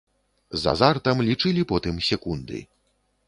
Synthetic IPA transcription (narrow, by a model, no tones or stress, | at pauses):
za̰zart̪ɐmlʲit͡ʂɨlʲipɔt̪ɨmsʲɛkund̪ɨ̰